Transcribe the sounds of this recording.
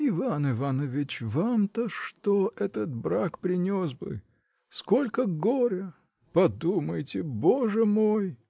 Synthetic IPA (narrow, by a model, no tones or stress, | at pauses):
ɪvanɪvanəvʲɪt͡ɕvamt̪əʂt̪oʔɛt̪ət̪̚bɾakpɾʲɪnʲosbɨ̰ | sko̞lʲkəɡoɾʲə | pɐd̪uməjtʲɪboʐɨmoj